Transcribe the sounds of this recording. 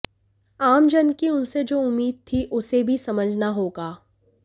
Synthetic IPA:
aːmd͡ʒənkiʊnsed͡ʒoːʊmːiːd̪̚t̪ʰiʔʊsebʱisɐməd͡ʒʱnaɦoːɡaː

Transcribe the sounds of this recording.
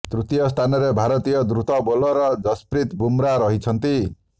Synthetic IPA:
t̪ɾut̪ijɔst̪ʰanɔɾebʱaɾɔt̪ijɔd̪ɾut̪ɔbolɔɾɔd͡ʒɔspɾit̪bumɾaɾɔɦit͡ʃʰʌnt̪i

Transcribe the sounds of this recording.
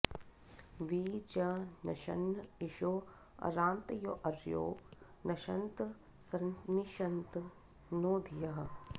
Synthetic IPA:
ʋiːd͡ʒɐnɐʃɐ̰nɪʃoː | ɐ̰ɾaːnt̪jo̰ːʔɐɾjo̰ː | nɐʃɐnt̪ | sɐnniʃɐnt̪ | noːd̪ʱijɐɦɐ

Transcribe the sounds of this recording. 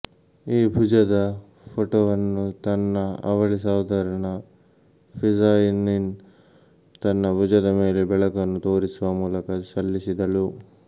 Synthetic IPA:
iːbʱud͡ʒɐd̪ɐ | pʰoʈoːʋɐnːut̪ɐnːɐɐ̰ʋɐɭisaːwd̪ʱɐɾɐɳɐ | pʰid͡ʒaːjinin | t̪ɐnːɐbʱud͡ʒɐd̪ɐme̞ːlebɛɭɐkɐnːut̪oːɾisuʋɐmuːlɐkɐsɐlːisid̪ɐlu

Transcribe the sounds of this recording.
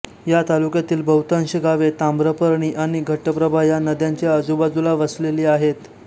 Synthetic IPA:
jat̪alukjat̪iːlbəwt̪ãnɕəɡaʋet̪ãmbɾəpəɾɳ̃iːʔaɽ̃iɡʱəʈːəpɾəbʱajanəd̪jãɲt͡ɕjeəd͡zubad͡zulaʋəsleliːaɦet̪

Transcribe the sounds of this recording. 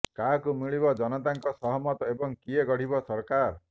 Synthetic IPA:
kakumiɭibɔd͡ʒɔnɔt̪aŋkɔsɔɦɔmɔt̪ɔebɔŋkieɡɔɽ̤ibɔsɔɾkaɾ

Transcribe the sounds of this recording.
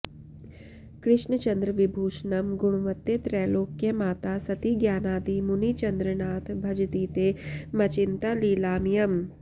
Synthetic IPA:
kɾɪʃɳət͡ʃɐnd̪ɾəʋibʱuːʃnɐmɡʊɽ̃ʋɐt̪ːet̪ɾɛːloːkjemaːt̪aːsɐt̪iːɡjaːnaːd̪iːmuniːt͡ʃɐnd̪ɾənaːt̪ʰbʱɐd͡ʒt̪iːt̪eːmɐt͡ʃɪnt̪aliːlaːmijɐm

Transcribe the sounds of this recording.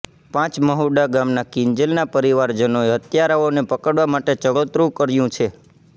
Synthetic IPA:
pãt͡ʃməɦuɖaɡamnakiɲd͡ʒəlnapəɾiʋaɾd͡ʒənoeɦət̪jaɾaonepəkəɽʋamaʈet͡ʃəɡət̪ɾũkəɾjũt͡ʃʰe

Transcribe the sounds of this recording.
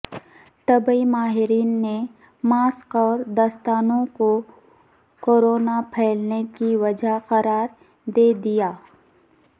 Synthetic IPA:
t̪ɐbəimaːɦɪɾiːnːe | maːskɔːɾd̪ɐst̪aːnõko | koːɾoːnapʰɛːlnekiʋɐd͡ʒaqɐɾaːɾ | d̪eːd̪ijaː

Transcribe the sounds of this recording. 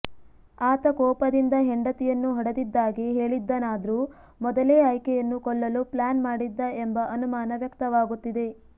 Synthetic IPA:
aːt̪ɐkɔːpɐd̪ind̪ɐɦeɳɖɐt̪ɛjɐnːuɦɔɽɐd̪id̪ːaːɡeɦe̞ːɭid̪ːɐnaːd̪ɐɾu | mɔd̪ɐleːɐjkɛjɐnːukɔɭːɐluplaːnmaːɽid̪ːɐembɐʔɐnumaːnɐʋjɐkt̪ɐʋaːɡut̪ːid̪e̞

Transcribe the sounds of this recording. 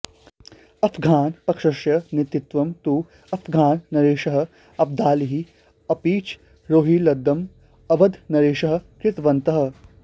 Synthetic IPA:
ɐfʰɡʱaːnpɐkʂɐʃjɐnit̪it̪ʋɐmt̪uː | ɐfʰɡʱaːnːɐɾeːʃɐɦɐ̆ | ɐb̚d̪aːliɦi | ɐpiːt͡ʃ | ɾoːɦiːlɐd̪ːɐm | ɐbɐd̪nɐɾeːʃɐɦɐ̆kɾɪt̪ʋɐnt̪ɐɦɐ̆

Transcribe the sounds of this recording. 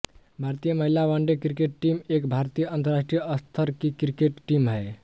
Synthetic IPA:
bʱaɾt̪ijəməɦilaʋaɳɖekɾikeʈʈimekbʱaɾt̪ijəənt̪əɾaʂʈɾijəəst̪ʰəɾkikɾikeʈʈimɦəj

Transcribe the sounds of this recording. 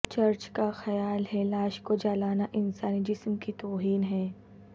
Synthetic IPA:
t͡ʃɐɾt͡ʃkaxɐjaːlɦɛlaːʃkod͡ʒaːlaːnaʔɪnsaːnid͡ʒɪsmkit̪oːɦiːnɦɛ̃ː

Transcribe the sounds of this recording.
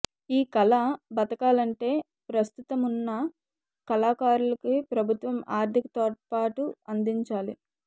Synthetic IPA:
iːkɐlɐbɐt̪ɐkaːlɐɳʈe̞ː | pɾɐst̪ut̪ɐmunːɐ | kɐlaːkaːɾulɐkipɾɐbʱut̪ʋɐmaːɾt̪ʰikɐ̥t̪ɔpaːʈuɐnd̪iɲt͡ʃaːlḭ

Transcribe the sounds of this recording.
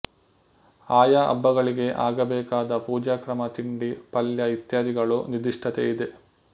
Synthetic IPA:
aːjaʔɐ̰bːɐɣɐɭiɡe̞ʔaːɡɐbɛːkaːd̪ɐpuːd͡ʒaːkɾɐmɐt̪iɳɖipɐljɐit̪jaːd̪iɡɐɭunid̪iʂʈʰɐt̪ḛjid̪e

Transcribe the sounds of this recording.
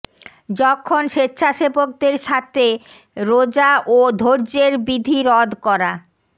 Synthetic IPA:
d͡ʑɔkʰːonʃetːɕʰaʃebok̚d̪eɾʃat̪ʰe | ɾod͡ʑaʔod̪ʱoɾd͡ʑeɾbid̪ʱiɾɔd̪ʱkɔɾa

